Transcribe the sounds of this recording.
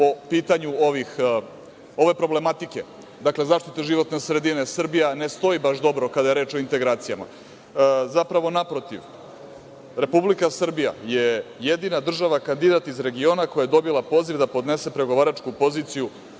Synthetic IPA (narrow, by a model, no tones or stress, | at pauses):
po̞piːt̪aɲuo̞ʋix | o̞ʋe̞pɾo̞ble̞mat̪ike̞ | d̪akle̞zaːʃt̪it̪eʒiʋo̞t̪ne̞sɾed̪ine̞sr̩bijane̞st̪o̞ibaʃd̪o̞bɾo̞kad̪aje̞ɾeːt͡ʃo̞int̪e̞ɡɾaːt̪sijama̰ | zapɾaʋo̞napɾo̞t̪iʋ | ɾe̞publikasr̩bija̰jejed̪inad̪r̩ʒaʋakand̪id̪at̪izɾe̞ɡio̞ːnakojajed̪o̞bilˠapo̞ːzivd̪apo̞d̪ne̞se̞pɾe̞ɡo̞ʋaːɾat͡ʃkupo̞ziːt̪siju